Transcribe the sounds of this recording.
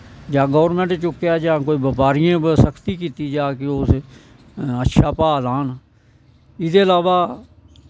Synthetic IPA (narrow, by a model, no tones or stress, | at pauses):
d͡ʒãːɡoːɾmẽɳʈt͡ʃʊkːjaːd͡ʒãːkoːiːbəpaːɾɪjãːbsəkʰt̪iːkiːt̪iːd͡ʒaːkeos | ətːʃʰaːpaːlaːn | ɪd̪eːəlaːʋaː